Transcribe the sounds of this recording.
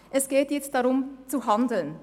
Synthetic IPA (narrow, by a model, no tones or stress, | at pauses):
ʔɛsɡ̥eːtjɛt͡st̚d̥aʁʊmt͡suɦandl̩n